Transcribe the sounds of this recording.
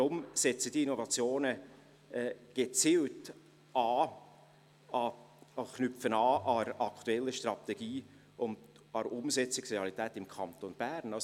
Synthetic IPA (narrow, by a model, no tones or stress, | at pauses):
dɾʊmsɛt͡sədiinɔvɑt͡sjoːnə | ɛːɡ̥et͡silt | ɑː | ɑ | ɑχnʏfənɑːʔɑɾɑkʰtuɛlːəʃtrɑt̪ɛɡ̥iː | ʊnd | ɑɾʊmsɛt͡sɪksreɑlitɛːtɪmkʰɑnt̪onb̥æɾnɑs